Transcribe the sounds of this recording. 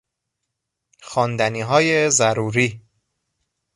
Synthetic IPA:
xɒːnd̪æniːɦɒːjezæɾuːɾiː

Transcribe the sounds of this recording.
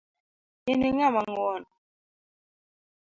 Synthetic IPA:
iniŋamaŋwɔn

